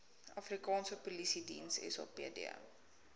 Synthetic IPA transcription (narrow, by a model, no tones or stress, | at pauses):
ɐfrikɑːnsəpulisidḭnsɛ̰sɑ̰ːpḛədḭ